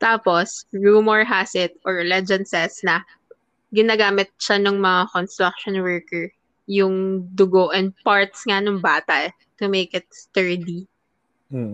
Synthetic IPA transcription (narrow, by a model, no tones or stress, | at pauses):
t̪aːposɹuːmoɹɦasɪt̪ʔɔɹlɛd͡ʒɐnsɛsnɐ | ɡɪnaːɡaːmɪt̪̚ʃanʊŋmɐŋakɔnst̪ɾak̚ʃɔnwɛɹkɛɹ | jʊŋd̪ʊɡoʔɛnd̪̚paɹt̪̚sŋanʊŋbaːt̪ɐʔ | t̪ʊmejkɪt̪̚st̪ɛɹd̪i